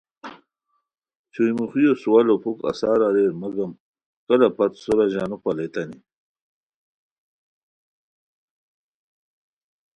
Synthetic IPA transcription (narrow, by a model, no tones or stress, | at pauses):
t͡ɕʰujmuxijosuwalopʰuka̰saːɾaɾeɾmaɡɐm | kɐlapat̪soɾaʑaːnupalet̪ani